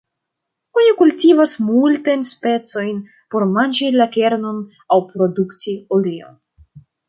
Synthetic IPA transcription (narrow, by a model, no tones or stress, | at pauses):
onikultivasmultajnspe̞t͡so̞jn | po̞ɾmanʲd͡ʒilake̞ɾno̞n | awpɾo̞duktiolio̰n